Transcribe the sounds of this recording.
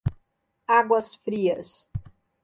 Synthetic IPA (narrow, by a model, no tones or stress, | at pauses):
aɡwɐsfɾiɐs